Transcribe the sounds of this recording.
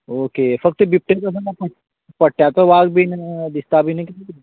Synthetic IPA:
okefək̚t̪əbip̚ʈekəs̬ãapə | pəɽ̚ʈ̪jat̪əʋaɡbʱind̪ist̪abʱinəkit̪iki

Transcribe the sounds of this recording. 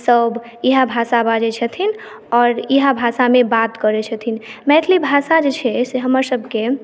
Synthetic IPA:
səb | iɦabʱasabad͡ʒɛt͡ʃʰət̪ʰin | ɔɾiɦabʱasamebat̪kəɾɛt͡ʃʰət̪ʰinmɛt̪ʰlibʱasad͡ʒet͡ʃʰɛseɦəməɾsəbʱke

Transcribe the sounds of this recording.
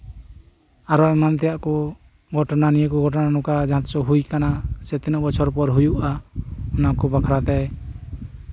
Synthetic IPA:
aɾɔɛmant̪ɛjaʔkɔ | ɡʱɔʈɔnanijəkɔɡʱɔʈɔnanɔkad͡ʒaɦãt̪ɔsɔɦujkanasɛt̪inɔbɔt͡ʃʰɔɾpɔɾɦujuʔaɔnakɔbakʰɾat̪ɛ

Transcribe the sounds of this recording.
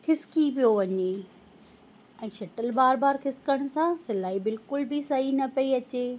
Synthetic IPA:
hʰɪskipijoʋɐɲe | ɛ̃ːʃɐʈəlbaːɾbaːɾkʰɪskəɽ̃sãsɪlaːibɪlkʊlbɪsɐɦinɐpɐiɐt͡ɕeː

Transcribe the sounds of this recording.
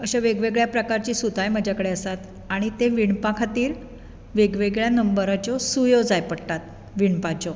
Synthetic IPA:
əɕaʋeɡʋeɡɭjapɾəkaɾt͡ɕiːsut̪ajməd͡ʑʱakəɽeəsat̪ | aɽ̃it̪eʋiɳpãkʰat̪iːɾ | ʋeɡʋeɡɭjanəmbəɾat͡ɕɔsujɔd͡zajpəɽʈ̪at̪̚ | ʋiɳpat͡ɕɔ

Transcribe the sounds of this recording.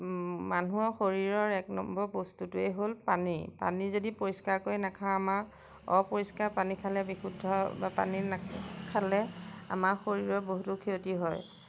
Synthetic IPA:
manuɔxoɹiɹɔɹɛknɔmbɔbostutʊeɦolpanipa̰nizodipoɹiskaɹkojnakʰãama | ɔ̰poɹiskaɹpanikʰalɛbixudʱɔbapa̰ninakʰalɛa̰maɹxoɹiɹɔɹboɦutukʰiotiɦɔj

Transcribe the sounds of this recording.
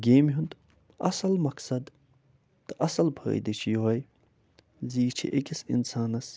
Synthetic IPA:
ɡʲeːmɦund̪ | ɐsɐlmɐksɐd̪ | t̪ɨʔɐsɐlbʰɐ̰ːḭd̪it͡ʃʰijoɦɐj | ziːt͡ʃʰḭʔekʲisḭnsaːnɐs

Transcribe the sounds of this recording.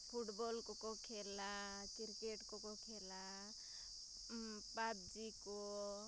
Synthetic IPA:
pʰuʈbɔlkɔkɔkʰela | kiɾkeʈkɔkɔkʰela | pab̚d͡ʒikɔ

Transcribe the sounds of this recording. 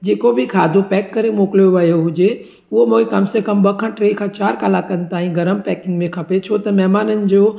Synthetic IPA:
d͡ʑeːkobʱikʰaːd̪ʱopɛːkːɐɾemoːklijoʋɐjoɦʊd͡ʒe | ʊɦomõːikɐmsekɐmbɐkʰãʈɾeːkʰãːt͡ɕaːɾkaːlakɐnt̪aːɦĩɡɐɾəmpɛːkɪ̃ŋɡmẽkʰɐpet͡ʃʰot̪ɐmɛːmaːnənɪ̆d͡ʑoː

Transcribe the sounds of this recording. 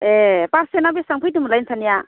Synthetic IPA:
epaɾsenabisaŋpʰɯjdɯmɯlajnsʰanija

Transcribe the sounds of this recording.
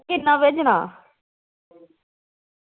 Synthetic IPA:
kɪnːãːʋed͡ʒɽ̃a̰ː

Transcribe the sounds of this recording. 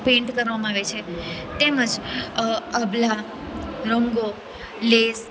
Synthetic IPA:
pẽɳʈkəɾʋamãaʋet͡ʃʰet̪eməd͡ʒ | əbla | ɾoŋɡo | les

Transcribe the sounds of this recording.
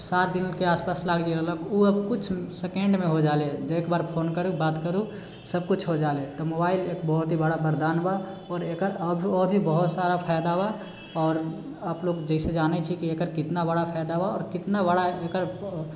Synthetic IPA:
sat̪̚d̪inkeaːspaːslaːɡd͡ʒɛɾəɦlɔkuəbkʊt͡ʃʰsekẽɳɖmẽɦod͡ʒaːled͡ʒoeːkbaːɾpʰoːnkəɾubaːt̪kəɾu | səb̚kut͡ʃʰɦod͡ʒaːlet̪ɔmobaːɪleːkbəɦʊt̪ɦibəɽabəɾd̪aːnba | ɔːɾekəɾəbʱiɔːɾbʱibəɦʊt̪saɾapʰajd̪aba | ɔːɾ | əploːɡd͡ʒəɪsed͡ʒaːnɛt͡ʃʰikiekəɾkɪt̪nabəɽapʰajd̪abaɔːɾkɪt̪nabəɽaekəɾ

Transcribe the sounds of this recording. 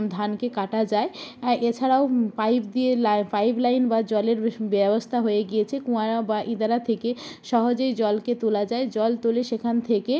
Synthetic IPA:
d̪ʱankekaʈad͡ʑaeʔet͡ɕʰaɾaoajbd̪ielafajbʱlajnbad͡ʑɔleɾbɛbost̪ʰaɦojeɡijet͡ɕʰekũaɾabaʔĩd̪aɾat̪ʰekeʃɔɦod͡ʑojd͡ʑɔlket̪ulad͡ʑaed͡ʑɔlt̪oleʃekʰant̪ʰeke

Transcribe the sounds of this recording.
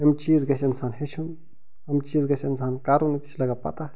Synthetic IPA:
ɐmt͡ʃiːzɡɐsʲɪnsaːnɦet͡ʃʰun | ɐmt͡ʃiːzɡɐsʲɪnsaːnkaːɾunit̪i̥sʰʲlɐɡapɐ̰t̪a

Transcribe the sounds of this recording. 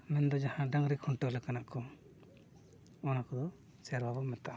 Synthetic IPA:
mɛnd̪ɔd͡ʒahãɖaŋɾikʰɔɳʈɔlɛkanaʔkɔ | ɔnakɔd̪ɔ | sɛɾbʱabɔmɛt̪aa

